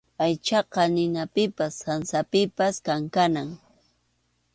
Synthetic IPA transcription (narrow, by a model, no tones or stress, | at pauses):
ajt͡ʃɑqɑnɪnapɪpasansapɪpaskaŋkanaŋ